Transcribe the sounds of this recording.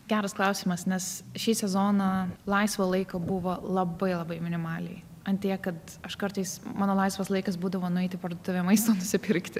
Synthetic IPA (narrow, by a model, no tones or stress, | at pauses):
ɡʲæːɾɐsklˠɐʊsʲiːmɐsnʲɛsʃʲiːsʲɛzoːnɐlˠɐɪsʋoːlˠɐɪkoːbʊʋoːlˠɐbɐɪlˠɐbɐɪmʲɪnʲɪmɑːlʲɛ̰ɪ | ɐnʲt̪ʲiɛkɐt̪ | ɐʃkɐɾt̪ɐɪsmɑːnoːlˠɐɪsʋɐslˠɐɪkɐsbuːd̪ɐʋoːnʊɛɪt̪ʲɪpɐɾd̪ot̪ʊʋʲeːmɐɪst̪oːnʊsʲɪpʲɪɾʲkt̪ʲɪ